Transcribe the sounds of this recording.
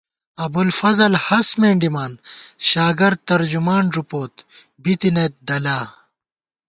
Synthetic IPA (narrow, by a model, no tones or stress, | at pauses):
ɐbulfɐzɐlhɐsmeːɳɖimaːnɕaːɡɐɾ̚t̪ɐɾd͡ʑumaːnɾupoːt̪ | bit̪inet̪̚d̪ɐlaː